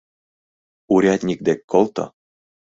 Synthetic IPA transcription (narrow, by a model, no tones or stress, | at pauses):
uɾʲɑt̪ʲnʲik̚d̪ekːolt̪ɤ̰̆